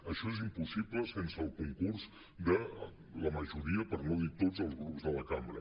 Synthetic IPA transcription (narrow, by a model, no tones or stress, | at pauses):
əʃɔezimpusipləsensəːlˠkuŋkurz | d̪ə | ləməʒuɾiəpəɾnoðit̪od͡zəlˠzɣɾupzðələkambɾə